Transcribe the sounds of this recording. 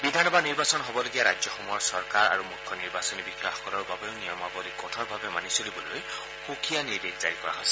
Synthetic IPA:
bid̪ʱanɔbaniɹbasɔnɦɔbɔloɡijaɹajzɔxɔmuɦɔɹsɔɹkaɹa̰ɹumukʰːɔniɹbasɔnibixaxɔ̥kɔlɔɹbabeʊnijɔmabɔlikɔtʰɔɹbʱabɛmanisolibɔloj | xukʰijaniɹdekz̥aɹikɔ̰ɹa̰ɦɔjsɛ̥

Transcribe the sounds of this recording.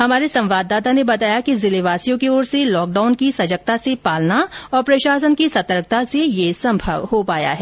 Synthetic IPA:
ɦɐmaːɾesɐ̃mʋaːd̪ːaːt̪anebɐt̪aːjakizɪleʋaːsijõkeoːɾselɔːk̚ɖaːʊnkisɐd͡ʒək̚t̪asepaːlnaɔːɾpɾɐʃaːsənkisɐt̪əɾk̚t̪asejesɐ̃mbʱə̰ʋhopaːja̰ɦɛː

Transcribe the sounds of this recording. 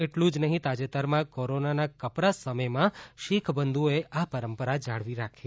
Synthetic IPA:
eʈlũd͡ʒnəɦĩt̪ad͡ʒet̪əɾmãkoɾonanakəpɾasəməjmãʃikʰbənd̪ʱueʔʔapəɾəmpəɾad͡ʒaɭʋiɾakʰe

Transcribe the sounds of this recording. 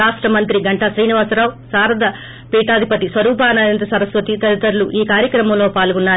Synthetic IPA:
aːʂʈɾɐmɐnt̪ɾiɡɐɳʈɐsɾiːniʋaːsɾaːʋsaːɾɐd̪ɐ | piːʈaːd̪ʱipɐt̪isʋɐɾuːpaːnɐjɐnt̪ɐsɐɾɐsʋɐt̪it̪ɐɾit̪ɐɾuluʔiːkaːɾjɐkɾɐmɐmlo̞ːpaːlɡunːaː

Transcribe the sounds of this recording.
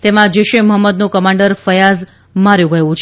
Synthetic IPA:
t̪emãd͡ʒeʃeməɦəmːəd̪nokəmaɳɖəɾfəjaz | maɾjõɡəjõt͡ʃʰ

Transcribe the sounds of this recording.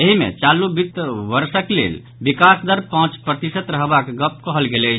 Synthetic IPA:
eɦimḛt͡ʃalubit̪ːʋəɾsəklḛl | bikasd̪əɾpãt͡ʃpɾət̪isət̪ɾəɦbakɡəp̚kəɦəlɡelət͡ʃʰ

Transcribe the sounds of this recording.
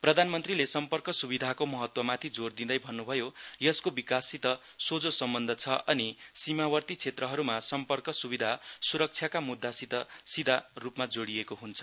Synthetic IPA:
prʌd̪ʱanmʌnt̪rilesʌmpʌrkʌsubid̪ʱakomʌɦʌt̪wʌmat̪ʰid͡zord̪ind̪ʌjbʱʌnːubʱʌjojʌskobikasit̪ʌ | sod͡zosʌmbʌnd̪ʱʌt͡sʰʌʔʌnisimawʌrt̪it͡sʰet̪rʌɦʌɾumasʌmpʌrkʌsubid̪ʱasuɾʌk̚t͡sʰjakamud̪ːasit̪ʌsid̪ʱarupmad͡zoɽijekoɦunt͡sʰʌ̥

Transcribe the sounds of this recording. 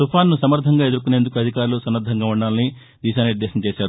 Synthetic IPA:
t̪upʰaːnːusɐmɐɾd̪ʱɐŋɡaːe̞d̪uɾkuneːnd̪ukuɐd̪ʱikaːɾulusɐmːɐɾd̪ʱɐŋɡaːuɳɖaːlɐni | d̪iːʃaːnniɾd̪ɛːʃɐmt͡ʃeːʃaːɾu

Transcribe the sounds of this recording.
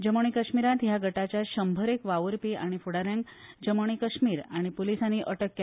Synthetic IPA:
d͡ʑəməɳ̃ikəɕmiɾãt̪ɦjaɡʱəʈat͡ɕjaɕəmbʱəɾekʋaʋəɾpiaɽ̃ifuɽaɾjãŋɡ | d͡ʑəməɳ̃ikəɕmiːɾaɽ̃ipolisanːiʔəʈəkːe

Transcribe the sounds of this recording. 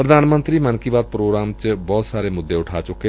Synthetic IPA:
pɾəd̪ʱaːnmənt̪ɾiːmənkiːʋaːd̪̚pɾoːɡɾaːmt͡ʃbɔːt̪saːɾeːmʊd̪ːeːʊʈʰaːt͡ʃʊkːeː

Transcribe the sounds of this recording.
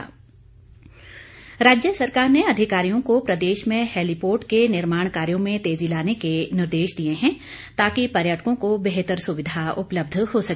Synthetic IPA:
ɾaːd͡ʒjəsɐɾkaːɾneɐd̪ʱɪkaːɾijõkopɾɐd̪eːʃmẽhɛːlipoːɾʈkenɪɾmaːɽ̃kaːɾijõmẽt̪eːzilaːnekenɪɾd̪eːʃd̪ijeɦɛ̃ | t̪aːkipɐɾjaːʈəkõkobeɦt̪əɾsʊʋɪd̪ʱaʊpləb̚d̪ʱhosɐ

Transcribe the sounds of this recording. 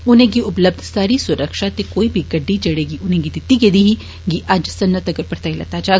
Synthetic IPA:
ʊnẽɡiʊpləb̚d̪ʱsaːɾisʊɾəkʃat̪ekoːibʱiɡɐɖːid͡ʒɐɽeːɡiʊnɦẽɡid̪ɪt̪iɡeːd̪iɦi | ɡiʔɐd͡ʒsɐnːət̪ɐɡəɾpɐɾt̪aːilɐ̰t̪aːd͡ʒaː

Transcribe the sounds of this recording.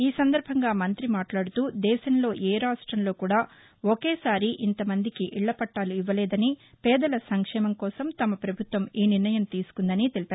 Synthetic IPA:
iːsɐnd̪ɐɾbʱɐŋɡaːmɐnt̪ɾimaːʈlaːɽut̪uːd̪ɛːʃɐnlo̞ːʔɛːɾaːʂʈɾɐmlo̞ːkuːɽaː | okeːsaːɾiʔint̪ɐmɐnd̪ikiʔiɭːɐpɐʈːaːluiʋːɐlɛːd̪ɐni | pɛːd̪ɐlɐsɐŋkʂɛːmɐmkɔːsɐmt̪ɐmɐpɾɐbʱut̪ʋɐmiːniɾnɐjɐmt̪iːsu̥kund̪ɐnit̪e̞lipaːɾu

